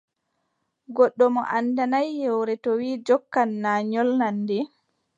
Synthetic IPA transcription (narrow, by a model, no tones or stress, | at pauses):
ɡɔɗːɔmɔ̰ʔandanajːɛwɾɛtɔwiːd͡ʒɔkːanːaːɲɔlnandɛ